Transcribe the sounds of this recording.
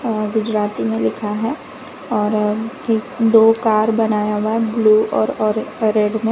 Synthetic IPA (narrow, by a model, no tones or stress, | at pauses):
ɡʊd͡ʒɾaːt̪imẽlɪkʰaɦɛ | ɔːɾekd̪oːkaːɾbɐnaːjaɦʊaɦɛbluːʔɔːɾɔːɾɾɛːɖmẽ